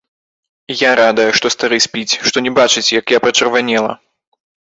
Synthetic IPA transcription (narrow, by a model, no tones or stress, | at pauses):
jaɾad̪ɐjɛʂt̪ɔst̪aɾɨsʲpʲit͡sʲʂt̪ɔnʲɛbat͡ʂɨt͡sʲjɐkjapɾɐt͡ʂɐrvanʲɛlˠɐ̰